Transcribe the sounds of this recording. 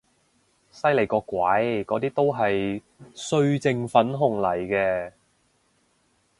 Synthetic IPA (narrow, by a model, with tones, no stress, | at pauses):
sɐ˥jle˨˩jkɔː˧kwɐ˨˥jkɔː˨˧t̪̬iː˥t̪o˥wɦɐ˨j | sɵ˧ɥt͡sɪ˧ŋfɐ˨˥nɦʊ˨˩ŋlɐ˨˩jkɛː˧